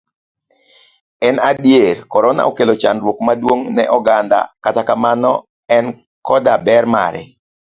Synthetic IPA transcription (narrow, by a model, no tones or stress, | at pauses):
ɛnadjerkɔɾɔna̰okelot͡ʃanɾwokmadwoŋnɛ̰ʔɔɡand̪a̰katakamanɔ | ɛn | kɔdabɛrma̰ɾɛ̰